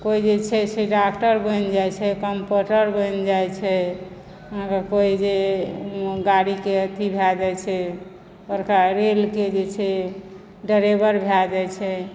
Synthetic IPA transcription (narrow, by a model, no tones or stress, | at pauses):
koid͡ʒet͡ʃʰɛsʰeɖakʈəɾbənd͡ʒat͡ʃʰɛkəmpuʈəɾbənd͡ʒajt͡ʃʰɛ | əɦãkakoid͡ʒe | ɡaɾikeət̪ibʱad͡ʒɛt͡ʃʰɛ | bəɾkaɾelked͡ʒet͡ʃʰɛ | ɖəɾebəɾbʱad͡ʒɛt͡ʃʰɛ